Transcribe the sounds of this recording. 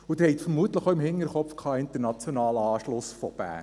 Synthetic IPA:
ut̪ɪɾhɛɪt̪fəɾmuət̪ləχoɪmhɪŋːəɾχɔpfkʰɑːɪnt̪əɾnɑt͡sjonɑːlɑːʃlʊsfɔ̰b̥æ̰ːn

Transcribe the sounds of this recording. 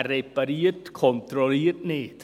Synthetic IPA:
ɾebəɾiːrd̥kʰɔntrɔliːrdneːd̥

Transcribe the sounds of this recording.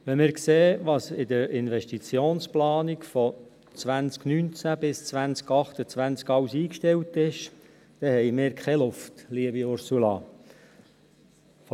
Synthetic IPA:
ʋɛnmɪːɾkseːʋɑsɪd̪əɾɪnʋɛʃtit͡sjoːnsplɑːnikfɔ | t͡sʋænt͡sknynt͡sæbɪst͡sʋænt͡skɑχt̪ət͡sʋænt͡skɑwsiːkʃtɛwtɪʃ | d̥̪ɛhɛjmɪːɾkʰχɛlʊftliəbiʊɾsulɑ̰

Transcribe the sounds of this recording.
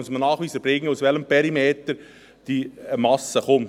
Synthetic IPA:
ʊsmənɑːχʋiːsəb̥ɾɪŋːəʊsʋɛləmpɛɾimeːt̪əɾ | d̥imɑsəχʊm

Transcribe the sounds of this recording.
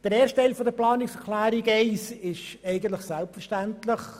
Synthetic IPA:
d̥əɾɛːɾʃtːɛɪlfɔd̪əplɑːnɪksɛklæːɾiɡɛɪsɪʃɛɪɡən̩t̪ləχsɛlpfəɾʃtæntlɪχ

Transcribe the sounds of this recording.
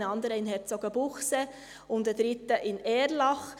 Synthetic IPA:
nəɑnd̪əɾəɪnɦɛɾt͡soɡəbʊχsɛ | ʊntdədɾɪt̪ːəʔɪnɛːɾlɑχ

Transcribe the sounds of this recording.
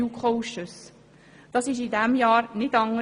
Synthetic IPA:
ukʰχoʊʃəs | d̥ɑsɪʃidɛmjɑːɾnɪdɑŋə

